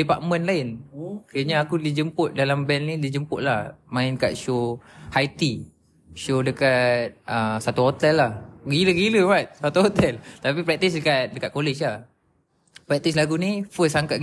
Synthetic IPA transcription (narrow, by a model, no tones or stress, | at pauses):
dipaʔmə̃nlaɪnkiəɲaakudid͡ʒəmpʊt̪̚dalambɛnnidid͡ʒəmpʊʔ̪̚lahmãɪnkat̪̚ʃohajt̪i | ʃodəkat̪̚ʔəsat̪uɦot̪ɛlːahɡiləɡiləbat̪̚sat̪uɦot̪ɛlt̪apipɾɛk̚t̪isdəkat̪̚dəkat̪̚kolet͡ʃlah | pɾɛk̚t̪is̬laɡunifəsaŋkat̪̚